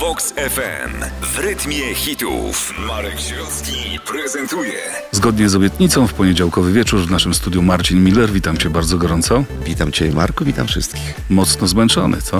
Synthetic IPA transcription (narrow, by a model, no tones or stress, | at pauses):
bɔksɛfɛ̰mvɾɘt̪mʲjɛxʲit̪ṵf | maɾɛkɕɔskʲipɾɛzɛnt̪ujɛ | zɡɔd̪ɲɛzɔbʲjɛt̪ɲit̪sɔ̃w̃fpɔɲed͡ʑawkɔvɘvʲjɛt͡ʂuɾvnaʂɘmst̪ud̪jumaɾt͡ɕinmʲilɛɾvʲit̪amt͡ɕɛbaɾd̪zɔɡɔɾɔnt̪sɔvʲit̪amt͡ɕɛma̰ɾkɔvʲit̪amfʂɘ̰st̪kʲix | mɔt̪snɔzmɛnt͡ʂɔ̰nʔɘ̰t̪sɔ